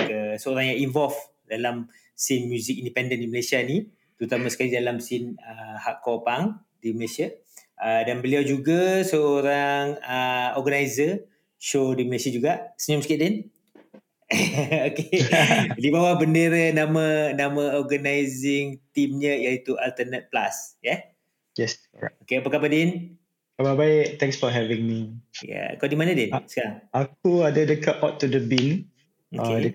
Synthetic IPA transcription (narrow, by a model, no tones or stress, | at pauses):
kəsəoɾaŋjainvɔlf | dalam | sinmjuzɪk̚indipɛndəndiməlesiani | t̪əɾut̪amãsəkalidalamsinəhaʔkɔpaŋ | diməlesia | ədanbəliawd͡ʒuɡasəoɾaŋəɔɡanajzə | ʃodiməlesad͡ʒuɡaʔsəɲɔmsə̥kiʔdin | oke | dibawahbəndeɾənamãnamãɔɡənajzɪŋt̪imɲəjait̪ualt̪ənət̪̚pla̰sjɛ | jɛs | okeapakapadɪn | kababaɪk̚t̪ɛ̃ŋksfɔɦɛvĩŋmija̰kɔʔdimanədɪnsəkaɾaŋak̚uadədəkatɔtːudəbĩn | okedə